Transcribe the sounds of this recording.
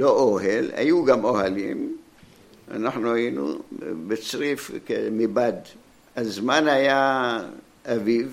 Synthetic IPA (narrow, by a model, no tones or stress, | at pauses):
loʔoɦelha̰juɡamohalḭm | a̰naχnuhajinṵbet͡sʁifkemibad̪ | azmanaja | aviv